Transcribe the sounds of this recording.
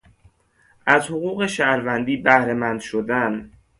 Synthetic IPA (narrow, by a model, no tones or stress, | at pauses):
ʔæzhoɣuːɣe̞ʃæhɾvænd̪iːbæhɾe̞mænd̪ʃod̪æn